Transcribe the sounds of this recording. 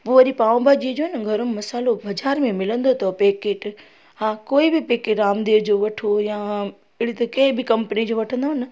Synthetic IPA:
poʋɐɗipaːʋ̃bad͡ʑiːd͡ʑoːɦɪnɪɡʱɐɾʊnɪmɐsaːlobɐd͡ʑaːɾmẽmɪlə̃nd̪ot̪ʰɐpeːkeːʈ | ɦãːkoːibɪpeːkeʈaːmd̪eːd͡ʑoːʋɐʈʰojã | ɪɽit̪ɐkɐɦɪ̃bɪkɐ̃mpnid͡ʑoːʋɐʈʰə̃nd̪aːɦɪnɪ̆

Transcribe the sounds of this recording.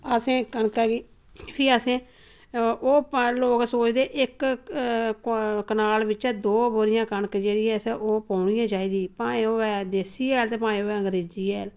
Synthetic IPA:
əsẽːkənkaːɡiː | pʰiːəsẽː | oːploːksoːt͡ʃd̪eːʔɪk | kənaːlbɪt͡ʃɛːd̪oːboːɾɪjãːkənkd͡ʒeːɽiːɛːsɛʔoːpaːʊɳɪjãːd͡ʒaːiːd̪iːpaːẽːoːɛːd̪eːsiːɛːlt̪eːpãːĩːoːɛːəŋɡəɾeːd͡ʒiːɛːl

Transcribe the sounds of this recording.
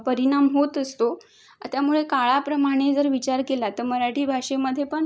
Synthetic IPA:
pəɾiɽ̃amɦot̪əst̪o | t̪jamuɭekaɭapɾəmaɽ̃ed͡zəɾʋit͡ɕaɾkelat̪əɾməɾaʈiːbʱaʂeməd̪ʱːjepəɳ

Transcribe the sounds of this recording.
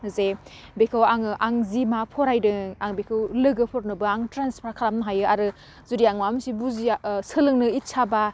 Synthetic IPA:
ze | bekʰɯwaŋɯʔaŋzimapʰɔɾajdɯaŋbekʰɯwlɯɡɯpʰɔɾ̚nɯbɯaŋtɾanspʰɾakʰaɾamnɯɦajɯaɾɯ | zuɾiaŋmamsibuzisɯlɯŋnɯitsʰaba

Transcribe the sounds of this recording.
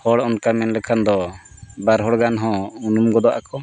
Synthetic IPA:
hɔɽɔnkamɛnlɛkʰand̪ɔbaɾɦɔɽɡanɦɔ̃unumɡɔd̪ɔʔa̰kɔ

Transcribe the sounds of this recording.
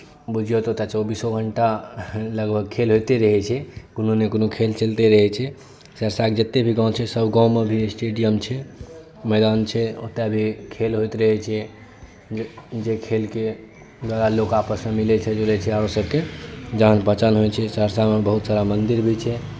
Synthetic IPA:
bud͡ʒʱijot̪ot̪at͡ʃɔbisoɡʱəɳʈaləɡbʱəɡ̚kʰelɦojt̪eɾəɦɛt͡ʃʰɛkononekonokʰelt͡ʃəlt̪eɾəɦɛt͡ʃʰɛ | səɾsaked͡ʒət̪ːebʱiɡãw̃t͡ʃʰɛsəbɡãwmebʱisʈeɖijəmt͡ʃʰɛ | mɛɪd̪ant͡ʃʰɛo̰t̪abʱikʰelɦojt̪ɾəɦɛt͡ʃʰɛ | d͡ʒekʰelke | d̪waɾalokapəsmemilɛt͡ʃʰɛd͡ʒolɛt͡ʃʰɛaɾsəb̚ked͡ʒəɦənpət͡ʃənɦot͡ʃʰɛsəɾsamebəɦut̪saɾamənd̪iɾbʱit͡ʃʰɛ

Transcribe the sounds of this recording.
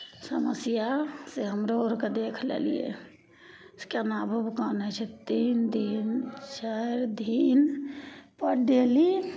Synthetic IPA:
səməsjaseɦəmɾooɾked̪ekʰlḛlḭjḛ | skenabʱəbkənɛt͡ʃʰɛt̪ind̪ʱint͡ʃaɾd̪ʱin | pəɽɖeli

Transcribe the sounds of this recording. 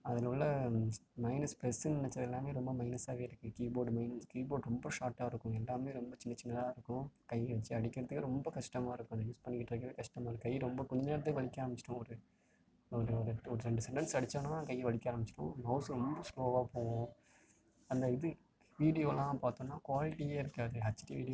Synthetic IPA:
ɐðɐlʊɭːɐmɐɪnɐspɾɛsɯnɐɳɐt͡ʃːɪɾɐðɛlːaːmeːɾɔmbɐmɐɪnɐsaːʋeːɾɯkːɯkiːboːɖmɐɪnɐskiːboːɖɾɔmbɐʃaːʈːaːɪɾɯkːʊ̃ɛlːaːmeːɾɔmbɐt͡ʃɪnːɐt͡ʃɪnːɐlaːɪɾɯkːʊ̃kɐjʋɐt͡ʃːɯɐɽɪkʲːɪɾɐðɯkːɯɾɔmbɐkɐʂʈɐmaːɪɾɯkːʊ̃ɐnd̪juːspɐnːɪkːɪʈːɪɾɐkːɾɐʋeːkɐʂʈɐmaːɔɾɯkɐjɾɔmbɐkɔɲd͡ʒɐneːɽɐt̪ːɯlʋɐɭɪkʲːaːɾɐmbɪt͡ʃːɪʈʊ̃ɔɾɯ | ɔɾɯɔɾɯɔɾɯɾɛɳɖɯsɛɳʈɐnsɐɽɪt͡ʃːaːnɐnãːkɐjːɐʋɐɭɪkʲːaːɾɐmbɪt͡ʃːɪ̥ʈʊ̰̃mɐʊsɾɔmbɐskoːʋaːpoːɣʊ̃ | ɐnd̪ɐɪðɯ | ʋiːɽɪjoːlãːpaːt̪õːnːaːkʋaːlɪʈːijeːɪɾɯkːaːðɯɐt͡ʃːɪʈiʋiːɽɪj

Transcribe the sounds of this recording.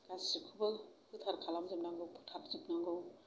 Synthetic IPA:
ɡasikʰubapʰɯtʰaɾkʰalamzɯp̚naŋɡɯwpʰu̥tʰaɾzip̚naŋɡɯw

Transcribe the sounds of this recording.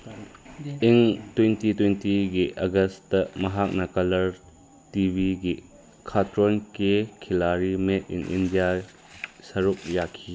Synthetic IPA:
ʔiŋtwentitwentiɡiʔɐɡɐstɐmɐɦak̚nɐkɐlɐɾ | tibʱiɡi | kʰatɾɔnkekʰilaɾimet̚ḭnʔḭndija | sɐɾuk̚jakʰi

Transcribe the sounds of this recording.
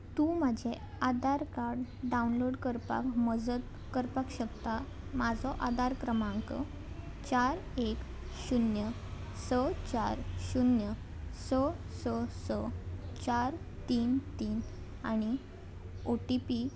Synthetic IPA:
t̪ũmad͡ʑʱe | ad̪aɾkaɾɽɖaunloɽkəɾpa̰kməd͡zət̪ | kəɾpakɕəkt̪a | mad͡zʱɔʔad̪aɾkɾəmãŋkə̰ | t͡ɕaɾek | ɕunjə | sət͡ɕaɾɕunjə | səsəsət͡ɕaɾ | t̪iːnt̪iːn | a̰ɽ̃i | oʈipi

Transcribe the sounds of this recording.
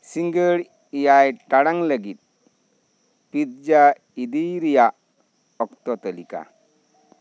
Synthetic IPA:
siŋɡəɭ | ijajʈaɽaŋləɡit̪̚ | pit̪̚d͡ʒa | id̪iɾija | ɔkt̪ɔt̪əlika̰

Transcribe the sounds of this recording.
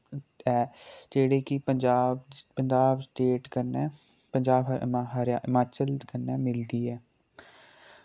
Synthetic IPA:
ɛːd͡ʒeːɽeːkɪpəɲd͡ʒaːbpəɲd͡ʒaːbsʈeːʈkəɾnɛː | pəɲd͡ʒaːbɦəɾjaːɪmaːt͡ʃəlkənːɛːmɪld̪iːɛː

